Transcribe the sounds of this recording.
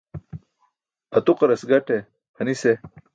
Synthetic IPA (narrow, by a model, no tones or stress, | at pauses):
ɐt̪uqɐɾɐsɡɐʈe | hɐnise